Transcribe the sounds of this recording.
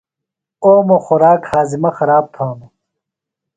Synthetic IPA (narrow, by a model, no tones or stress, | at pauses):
oːmoxuɾaːkhaːzimɐxɐɾaːb̚t̪ʰaːnu